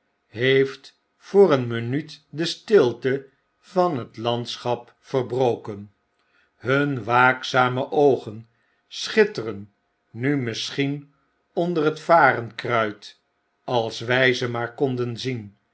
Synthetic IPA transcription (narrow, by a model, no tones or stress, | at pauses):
ɦejft | fʊːrənmənytdəstɪlˠtə | vɑnɦətlɑntsχɑp | fərbrowkən | ɦɵnʋaːksaːməʔowχən | sχɪtərənː | ymɪsχin | ɔndərətfaːrənkrœɥt | ɑlˠsʋɛjzəmaːɹkɔndənzin